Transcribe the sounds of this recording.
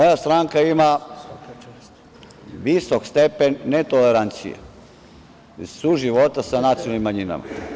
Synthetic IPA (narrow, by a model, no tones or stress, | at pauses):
ojast̪ɾaŋkaima | ʋisokst̪epenːet̪oleɾant̪sḭjḛ | suʒiʋo̞t̪asanat̪sijonalnimːaɲina̰ma̰